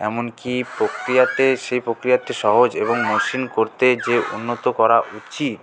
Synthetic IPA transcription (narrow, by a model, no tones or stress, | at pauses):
ɛmonkipɾokɾijat̪eʃejpɾokɾijat̪ːeʃɔɦod͡ʑeβoŋmoʃinkoɾt̪ed͡ʑeṵnːot̪okɔɾaʔut͡ɕit̪